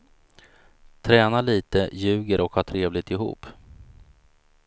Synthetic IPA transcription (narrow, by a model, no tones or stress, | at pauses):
t̪ʰɾɛːnaliːt̪əjʉ̟ːɡəɾʔɔkhɑːʈʰɾeːvlɪt̪ɪɦṵːpː